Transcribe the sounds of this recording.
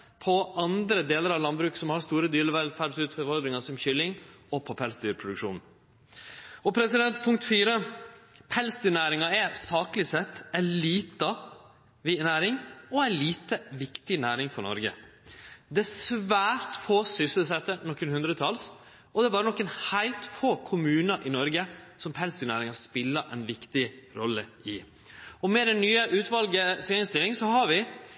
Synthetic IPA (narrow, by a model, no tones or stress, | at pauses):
pʰɔɑnd̪ɾəd̪eːləɾɑʋlɑnbɾʉːksɔmhɑɾst̪uːɾəd̪yːɾəʋɛlfæɖsʉːt̪fɔʋɔld̪ɾɪŋɑsɔmçʏlːɪŋɔpʰɔpʰɛlsd̪yːɾpʰɾʊd̪ʉkʂṵːnn̩ | ɔpʰɾɛsɪd̪ɛnt̪pʰʊŋkt̪fiːɾəpʰɛlsd̪yːɳæːɾɪŋɑɛɾsɑːklɪsɛt̪ːɛliːt̪ɑ | ʋɪnæːɾɪŋɔæɪliːt̪əʋɪkt̪ɪnæːɾɪŋfɔɾnɔ̰ɾɡə̰ | d̪ɛæsʋæːɾt̪foːsʏsəlsɛt̪ːənɔkːənhʉnd̪ɾət̪ʰɑls | ɔd̪ɛæbɑːɾənɔkːənhæɪlt̪foːkʰʊmʉːnɑɾʔɪnɔɾɡəsɔmpʰɛlst̪ɪnæ̰ːɾɪŋɑspɪlːəɾʔæ̰ɪnʋɪkt̪ɪɾɔlːəɪ | ɔmɛd̪ɛnyːəʔʉːt̪ʋɑlɡəsɛɪŋst̪ɪlɪŋsɔhɑɾʋɪ